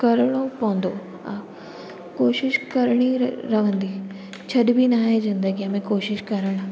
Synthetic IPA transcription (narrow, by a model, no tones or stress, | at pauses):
kɐɾɽ̃opɐɦə̃nd̪o | a | koːʃɪʃkɐɾɽ̃iɾɐʋ̤ə̃nd̪i | t͡ɕʰɐɗbʱinaːɦezɪ̃nd̪əɡijãmẽkoːʃɪʃkɐɾəɽ̃ʊ̆